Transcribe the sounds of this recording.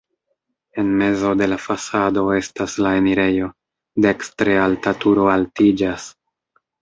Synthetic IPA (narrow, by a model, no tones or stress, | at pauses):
e̞nme̞zo̞de̞lafasado̞e̞staslae̞niɾe̞jo̞ | dekstɾealtatuɾo̞altid͡ʒas